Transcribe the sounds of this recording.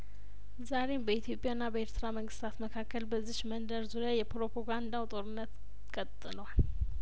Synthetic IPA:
zaɾe̞mbəit̪ʰjo̞pʼjaɨnːabəeɾt̪ʰɨɾaməŋɡɨst̪ʰat̪məkʰakːəlbəzːiʃmənd̪əɾzuɾjajɛpɾopʰoɡand̪awt̪ʼo̞ɾɨnːət̪ | kʼət̪ʼːɨləwal

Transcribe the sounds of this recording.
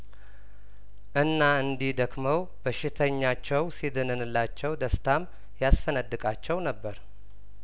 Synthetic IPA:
ʔɨnːaɨnd̪ihd̪əkməw | bəʃːɪt̪ʰəɲːat͡ʃːɛwsid̪ɨnɨnɨlːat͡ʃːɛwd̪əst̪ʰam | jasfənəd̪ːɨkʼat͡ʃːɛwnəbːəɾ

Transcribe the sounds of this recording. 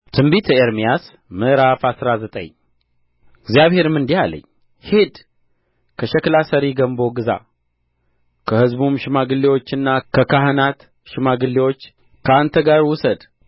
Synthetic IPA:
t̪ʰɨmbit̪ʰəeɾmijas | mɨʔɾafasɾazət̪ʼə̰ɲ | ɪɡzijaβhe̞ɾɨmɨnd̪ijalə̰ɲː | hed̪ | kʰəʃɛklasəɾiɡəmbo̞ɡɨza̰ | kʰəhɨzbumʃɪmaɡɨlːiwo̞t͡ʃːɨnːakʰəkaɦɨnat̪ | ʃɪmaɡɨlːiwo̞t͡ʃː | kʰəant̪ʰəɡaɾwʊsəd̪

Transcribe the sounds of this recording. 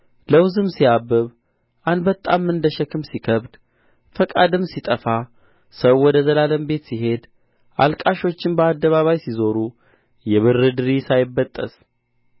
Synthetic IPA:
ləwzɨmsiabːɨβ | ʔand̪bət̪ʼːamɨnd̪əʃɛkʰɨmsikʰəβd̪ | fəkʼad̪ɨmsit̪ʼəfa | səwwɔd̪əzəlaləmbe̞t̪siɦe̞d̪ | ʔalkʼaʃo̞t͡ʃːɪnbəad̪ːəβaβajsizo̞ɾu | jɛβɨɾːɨd̪ɨɾisajɪbːət̪ʼːə̰s

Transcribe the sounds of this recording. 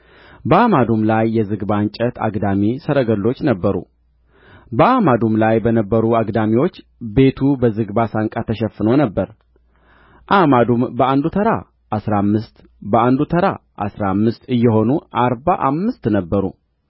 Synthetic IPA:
bəamad̪umlajːɛzɨɡbant͡ʃʼət̪ʰa̰ɡd̪amisəɾəɡəlːo̞t͡ʃːnəbːəɾṵ | bəamad̪umlajbənəbːəɾuaɡd̪amiwo̞t͡ʃː | be̞t̪ʰubəzɨɡbasaŋkʼat̪ʰəʃɛfːɨno̞nəbːəɾ | ʔamad̪umbəand̪ut̪ʰəɾa̰ | ʔasɾamːɨst̪ | bəand̪ut̪ʰəɾaʔa̰sɾamːɨst̪ɨjːɛɦo̞nuʔaɾbaʔamːɨst̪nəbːəɾṵ

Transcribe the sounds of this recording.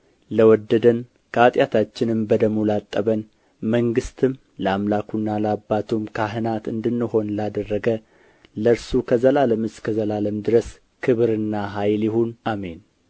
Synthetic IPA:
ləwɔd̪ːəd̪ən | kʰəat̪ʼjat̪ʰat͡ʃːɪnɨmbəd̪əmulat̪ʼːəβən | məŋɡɨst̪ʰɨm | ləamlakʰunːaləabːat̪ʰumkʰaɦɨnat̪ɨ̰nd̪ɨnːɨho̞nlad̪ərːəɡə | ləɾsukʰəzəlaləmɨskʰəzəlaləmd̪ɨɾəs | kʰɨβɨɾɨnːaɦajljɪhunʔame̞n

